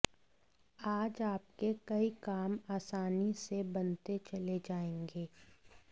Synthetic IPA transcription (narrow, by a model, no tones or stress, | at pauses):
aːd͡ʒaːp̚kekɐikaːmaːsaːnisebɐnt̪et͡ʃɐled͡ʒaːẽːŋɡeː